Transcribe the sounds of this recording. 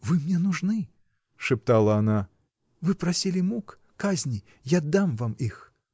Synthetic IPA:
vɨmnʲɛnuʐnɨ | ʂɨp̚t̪alˠɐːna | vɨpɾasʲilʲimukː | azʲnʲi | jad̪ːamvamix

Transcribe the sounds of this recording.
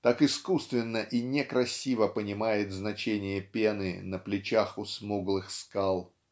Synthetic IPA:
t̪akɪskust̪vʲɪnːəʔinʲekɾɐsʲivəpənʲɪmajɪt̪znɐt͡ɕenʲɪjəpʲenɨ̰nəplʲɪt͡ɕaxʊsmuɡlˠɨxskalˠ

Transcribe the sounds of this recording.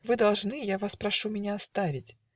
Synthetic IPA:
vɨd̪ɐlˠʐnɨjavaspɾɐʂumʲɪnʲaɐst̪avʲɪtʲ

